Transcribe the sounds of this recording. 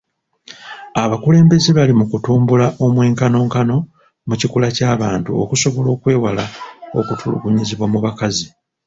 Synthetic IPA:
aβakule̞ːmbe̞zeβalimukutuːmbulaʔo̞mwe̞ːŋkano̞ːŋkano̞ | mucikulacaːβaːntuo̞̰kuso̞βo̞lo̞ːkwe̞ːwalao̞̰kutʰulṵɡuɲiziβwamuβakazi

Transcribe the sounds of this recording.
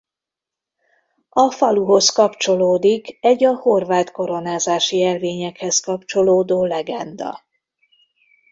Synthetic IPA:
ɒfɒluɦo̞skɒpt͡ʃo̞loːd̪ikɛɟɒho̞rvaːt̪ko̞ɾo̞naːzaːʃiɛlveːɲɛkhɛskɒpt͡ʃo̞loːd̪oːlɛɡɛnd̪ɒ̰

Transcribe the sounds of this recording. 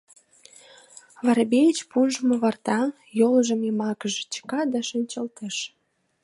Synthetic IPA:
βɑɾbejt͡ɕpunʒəmoβɑrt̪ɑ | joləʒə̆memɑkəʒet͡ɕə̥kɑd̪ɑʃənʲt͡ɕəlt̪əʃ

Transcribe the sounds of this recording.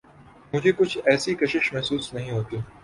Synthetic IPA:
mʊd͡ʒʱekʊt͡ʃʰɛːsikɐʃɪʃmɛɦsuːsnɐɦĩɦoːt̪iː

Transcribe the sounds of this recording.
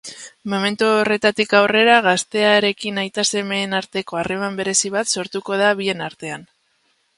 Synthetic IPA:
mo̞me̞nt̪uore̞t̪at̪ikawre̞ɾaɣast̪e̞aeɾe̞kinajt̪ase̞me̞ːnaɾt̪e̞ko̞are̞mambe̞ɾe̞siβat̪so̞ɾt̪uko̞ð̞aβie̞naɾt̪e̞an

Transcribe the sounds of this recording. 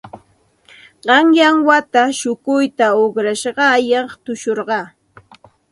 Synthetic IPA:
ɢɑŋjaŋwat̪aʃʊkʊjt̪aokɾaʃɢɑjɑχt̪ʊʃoɾɢɑː

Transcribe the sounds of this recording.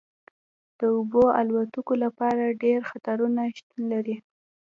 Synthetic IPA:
d̪̥əoboa̰lwat̪ukolapɑɾaɖeɾxat̪aɾunaʃt̪unlaɾi

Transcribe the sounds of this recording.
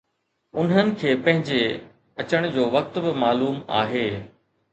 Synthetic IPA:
ʊnɦənɪ̆kʰeːpɐ̃ɦɪ̃ɲd͡ʑe | ɐt͡ɕəɽ̃d͡ʑoːʋɐk̚t̪bɪmaːluːma̰ːɦeː

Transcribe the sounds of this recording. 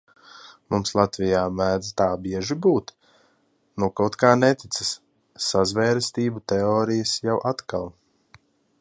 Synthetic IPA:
mumslˠat̪vijaːmæːd̪zt̪aːbiɛʒibuːt̪ | nukawt̪kaːnɛt̪it̪səs | sazvɛːɾst̪iːbut̪ɛɔːɾijəsjawʔat̪kalˠ

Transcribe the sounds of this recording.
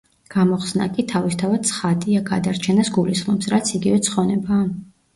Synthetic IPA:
ɡ̥amɔχsna̰kʼit̪ʰavist̪ʰavad̪̥̚t̪sʰχad̪iaɡad̪aɾt͡ʃʰɛnasɡulisχmɔpsɾat̪sʰiɡivɛt̪sʰχɔnɛbaː

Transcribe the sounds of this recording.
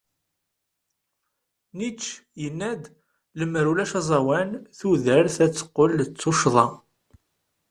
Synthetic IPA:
nit͡ʃːjənːæd̪ | ləmɾulæʃɑzˤɑwænθuðəɾθæt͡sːə̥qːəlt͡sːuʃðˤɑ

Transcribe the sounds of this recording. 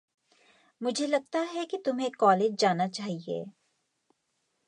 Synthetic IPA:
mʊd͡ʒʱelɐɡ̚t̪aɦɛkit̪ʊmɦẽkːɔːleːd͡ʒd͡ʒaːnat͡ʃaːɦiḛː

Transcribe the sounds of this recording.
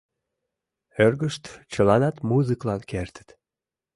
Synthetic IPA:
ørɣəʃt̪t͡ɕəlɑnɑt̪muzɨklɑnkert̪ə̥t̪

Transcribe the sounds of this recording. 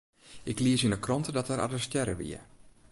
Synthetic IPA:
ʔɪkliəsinəkrɔntədɔtəɾʔa̰dəstjɛɾəʋḭə̰

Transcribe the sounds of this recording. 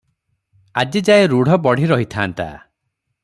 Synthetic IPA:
ad͡ʒid͡ʒaeɾuɽ̤ʱɔbɔɽ̤iɾɔɦit̪ʰaːnt̪a̰

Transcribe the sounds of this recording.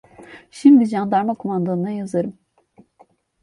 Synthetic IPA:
ʃimd̪id͡ʒand̪aɾmakʰomand̪anɯnajazɯɾɯm

